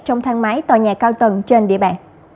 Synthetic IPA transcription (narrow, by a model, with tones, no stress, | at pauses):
t͡ɕɔ˧wŋ͡mt̪ʰaː˧ŋmaː˨˦jt̪waː˨˩ɲaː˨˩kaː˧wt̪ə˨˩nt͡ɕe˧nɗḭ˧˨əɓa̰ː˧˨n